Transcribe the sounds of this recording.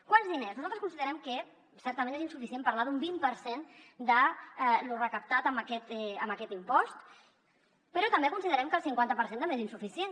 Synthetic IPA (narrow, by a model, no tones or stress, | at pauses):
kwanzðineznuzalˠt̪ɾəskunsiðəɾɛmkə | sɛɾt̪əmẽnezinsufisiempəɾlaðumbimpəɾsend̪əɛlurəkəp̚t̪at̪əməkɛt̪ɛəməkɛt̪impɔst̪ | pəɾɔt̪əmbekunsiðəɾɛmkəlˠsiŋkwant̪əpəɾsend̪ambezinsufisien